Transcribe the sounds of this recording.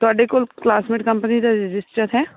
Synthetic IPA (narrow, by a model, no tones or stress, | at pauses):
t̪oaːɖekolklaːsmɪʈkɐ̃mpənid̪aɾɪd͡ʒɪsʈəɾɦɛː